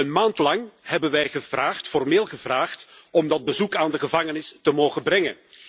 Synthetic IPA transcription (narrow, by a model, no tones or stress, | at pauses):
ənmaːntlɑŋhɛbənʋɛjχəv̥raːχtfɔrmeːlˠχəvraːχtɔmdɑd̚bəzukaːndəχəvɑŋənɪstəmoːwχənbrɛŋə̰n